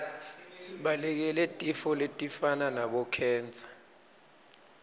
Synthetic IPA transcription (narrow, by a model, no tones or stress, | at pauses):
siɓalɛk̬ɛlɛtʼifɔletʼifananaɓɔkʰɛːnd͡zʱḁ